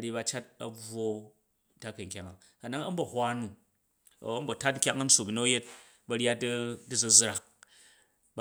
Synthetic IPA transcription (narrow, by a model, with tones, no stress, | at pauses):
ɽi˦ba˧t͡ʃa˦t̚ɐ˨b͡vwo˦ | ta˦kɐ˨ŋkʲa˦ŋa˨ | kɐ˨na˦ŋɐ˦m̩˦bɐ˨hʷwa˦nu˨ | ɐ˦mbɐ˨ta˦t̚ŋ̩˦kʲa˦ŋɐ˦n̩˦su˨kno˦je˦t̚ | bɐ˨˧ɾja˦ddi˦zɨ˦zɾa˨k̚ | b